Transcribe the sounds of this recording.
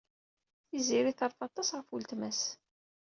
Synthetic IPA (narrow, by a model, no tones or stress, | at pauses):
θiziɾiθəɾˤfɑt̪ˤːɑsʁəfult̪mæs